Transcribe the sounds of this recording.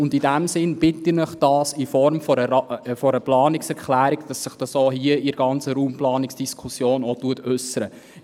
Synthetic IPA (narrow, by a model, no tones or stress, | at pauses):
ʊndidæmsɪnb̥ɪtinəχd̥ɑːsifɔɾmfɔɾəfɔɾəplɑːnɪksɛɾkχlæːɾikd̥ɑsːɪχd̥ɑsohiəɪɾɡɑnt͡səɾuːmplɑːniksd̥iskʰusjoːnɔtuətʉsəɾə